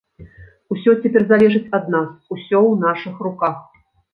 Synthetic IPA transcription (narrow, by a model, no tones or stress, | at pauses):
usʲɔt͡sʲɛpʲɛrzalʲɛʐɨt͡sʲɐd̪nasusʲɔwnaʂɨxrukax